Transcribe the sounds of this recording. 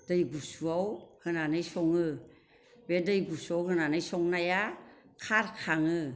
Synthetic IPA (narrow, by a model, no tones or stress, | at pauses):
d̥ɯjɡusuawhɯnanɯjsɔŋɯ | bedɯjɡusuawɦɯnanɯjsɔŋnajakʰaɾkʰaŋɯ